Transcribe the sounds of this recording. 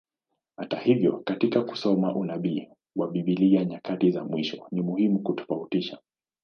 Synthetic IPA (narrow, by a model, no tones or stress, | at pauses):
hatahivjɔkatikaku̥sɔmaʔunaɓi | waɓiɓiliaɲakatizamwiʃɔnimuhimukutɔ̥fautiʃa